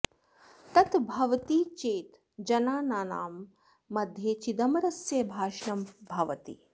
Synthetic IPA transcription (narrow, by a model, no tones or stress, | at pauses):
t̪ɐt̪bʱɐʋɐt̪iːt͡ʃeːt̪ | d͡ʒɐnaːnaːna̰ːmː | ɐd̪ʱjeːt͡ʃid̪ɐmɐɾɐsjɐbʱaːʃnɐmbʱɐʋɐt̪ḭ